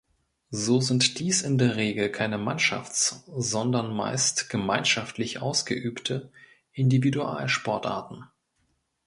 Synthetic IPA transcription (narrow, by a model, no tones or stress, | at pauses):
zoːzɪntd̥iːsɪndeːɐʁeːɡl̩kʰaɪnəmanʃa̰ft͡sz̥ɔndɐnma̰ɪstɡ̥əmaɪnʃaftlɪçʔa̰ʊsɡ̥ə̰ʔyːptʰə | ʔɪndividuʔa̰ːlʃpɔɐtʔa̰ːɐtn̩